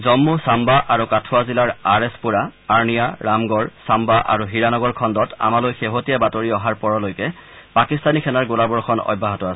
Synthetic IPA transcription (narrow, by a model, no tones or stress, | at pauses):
zɔmːusambaʔaɹukatʰʊazilaɹaɹɛspuɹaːɹnijaɹamɡɔɹsambaʔa̰ɹuɦiɹanɔɡɔɹkʰɔndɔta̰malojxeɦotijabatoɹiɔɦaɹpɔɹɔlojkɛ | pakistanikʰɛnaɹɡolabɔɹkʰɔnɔ̰bʱːaɦɔtɔas